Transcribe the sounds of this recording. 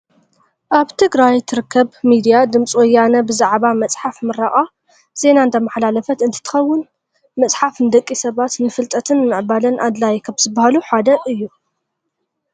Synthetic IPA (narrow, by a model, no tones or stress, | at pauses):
ʔaβt̪ʰɨɡɾajt̪ʰɨɾɨkʰːɐβmid̪ijad̪ɨmt͡sʼwɔjːanɐbɨzaʕβamɐt͡sʼħafmɨɾaʔʼa | z̥e̞naɨnt̪ʰɐmaħlalɐfɐt̪ɨnt̪ʰɨt̪ʰɨ̥xɐwːʊn | mɐt͡sʼħafnɨd̪ɐkʼːisɐβat̪nɨfɨlt̪ʼɐt̪ʰɨnːɨʕbalɐnʔad̪lajkʰɐβz̥ɨbahaluħad̪ɐʔɨjːu